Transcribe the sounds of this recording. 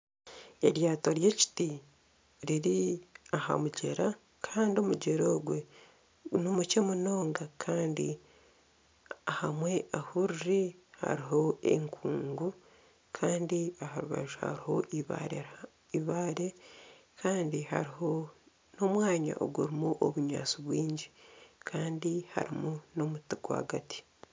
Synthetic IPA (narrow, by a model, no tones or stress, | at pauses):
e̞ɾjaːtoɾje̞ːci̥ti | ɾiɾiaha̰muɟeɾa | kʰaːndio̞muɟeɾoːɡwe | nomucemuno̞ːŋɡakʰaːndḭ | ahamwe̞ʔahuɾɾiha̰ɾiɦo̞ḛŋkʰuːŋɡu | kʰaːndiahaɾuβa̰ʒoha̰ɾiho̞ʔiβa̰ɾe | iβaːɾe̞ | kʰaːndiha̰ɾiho̞ | no̞mwaːɲa̰ʔo̰ɡuɾimuʔoβuɲa̰ːt͡siβwiːɲɟikʰaːndiha̰ɾimuno̞mutika̰ɡati̥